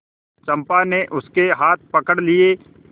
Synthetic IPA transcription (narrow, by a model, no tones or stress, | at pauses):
t͡ʃɐ̃mpaneʔʊskeɦaːt̪̚ʰpɐkəɽlie